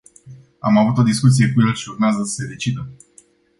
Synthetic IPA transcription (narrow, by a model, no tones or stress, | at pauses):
amavut̪o̞d̪iskut̪sie̞kuje̞lʃiurmeazəsə̥se̞d̪e̞t͡ʃid̪ə